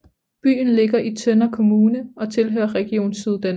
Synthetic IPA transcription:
b̥y̰ːn̩le̝ɡ̥ɐʔit͡sʰœnɐkʰo̝muːnəɒ̽t͡sʰe̝lɦœ̰ːɐʁɛɡ̥io̝̰ːnsyðˠd̥æn

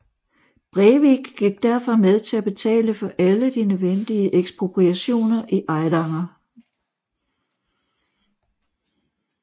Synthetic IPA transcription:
b̥ʁɛʋiɡ̥ɡ̥iɡ̥̚d̥æɐfɒ̽með̞ˠt͡sʰe̝læb̥e̝t͡sʰɛ̰ːləfɒ̽ʔæləd̥inøðˠʋen̰d̥iəʔeɡ̥sb̥ʁo̝pʰʁiæɕo̝̰ːnɐʔiʔɑ̈ɪd̥ɑ̈ŋɐ

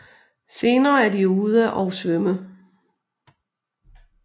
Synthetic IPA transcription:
se̝ːnɐːæɐdiuð̞ˠæʔɒʊsʋœmə

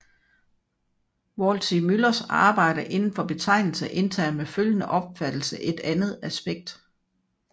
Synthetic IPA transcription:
ʋɒlsʰimylɐsɑ̈ːb̥ɑ̈ɪ̰d̥əʔe̝nn̩fɒ̽b̥e̝t͡sʰɑ̈ɪ̰nl̩səʔe̝nt͡sʰæ̰ːɐmeføljənəʔɒ̽b̥fæd̥l̩səʔe̝d̥ænð̩ˠæsb̥eɡ̥̚d̥

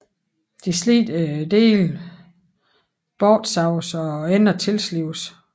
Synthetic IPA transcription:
d̥islḭːd̥d̥e̝̰ːl | b̥ɒːd̥sɑ̈ʊsɒ̽en̰ɐt͡sʰe̝lsliʊs

